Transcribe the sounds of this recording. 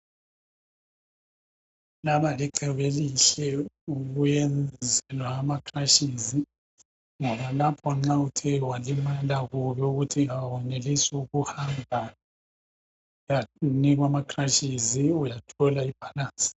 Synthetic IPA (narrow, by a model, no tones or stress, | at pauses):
laβaliǃʱɛβeliɬɛuɣujɛnd͡zʱɛlwaːmakʰraʃizi | ŋɔβalapʰɔŋ͡ǁautʰɛwalimalaɣuβɛuɣutʰiŋaβɔnelisuɣuhambʱa | janiɣ̬wamakʰʼraʃiziujatʰɔlaib̥ʱalaːnsʼi̥